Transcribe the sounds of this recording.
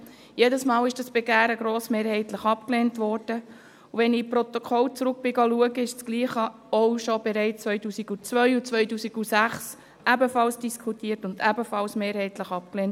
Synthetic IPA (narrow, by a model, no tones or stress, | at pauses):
jɛdəsmɑːlɪʃd̥ɑsb̥ɛɡæːɾəɡɾoːsmeːɾhɛɪtləχɑp̚kleːntʋɔrd̥ə | uʋɛnɪpɾɔt̪ɔkʰɔlt͡sɾʊk̚b̥ɪɡɑluəɡəɪʃt͡sɡ̥liːχə | ɔwʃɔb̥ɛɾɛɪt͡st͡sʋœʏtuːsiɡut͡sʋœʏut͡sʋœʏtuːsiɡ̥usæχs | ʔæbəfɑlsd̥iskʰutiːəɾtʊndæbəfɑlsmeːɾhɛɪtləχɑp̚kleːnt